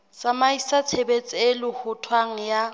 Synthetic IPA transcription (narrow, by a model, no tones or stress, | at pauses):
samaisat͡sʰebet͡sʼelɪhʊtʰwaŋ̩ja